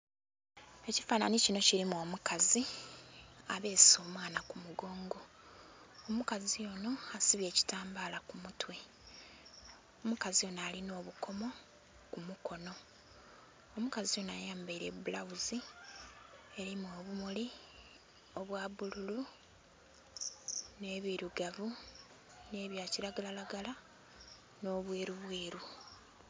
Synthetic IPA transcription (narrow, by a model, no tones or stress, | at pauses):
e̞cifaːnanicino̞ciɾimuo̞ːmukazi | aβe̞ːsso̞ːmwaːnakumuɡo̞ːŋɡo̞ | omukazijo̞no̞asiβje̞ːci̥taːmbaːlakumutwe̞ | omukazijo̞nalino̞ːβuko̞mo̞ | kumukʰo̞no̞ | omukazijo̞najaːmbaiɾebulawuzi | e̞ɾimo̞ːβumuli | o̞βwaβululu | ne̞ːβiɾuɡavu | ne̞ːβjaːciɾaɡalalaɡala | no̞ːβwe̞ːɾuβweːɾu